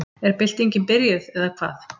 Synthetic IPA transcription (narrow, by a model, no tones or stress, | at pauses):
ɛɾpɪl̥t̪ejɲcɪnpɪɾjʏðɛðakʰv̥a̰ːθ